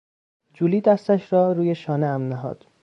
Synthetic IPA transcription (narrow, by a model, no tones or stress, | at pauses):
d͡ʒuːliːd̪æst̪æʃɾɒːɾuːjeʃɒːneæmnæɦɒ̰ːd̪̥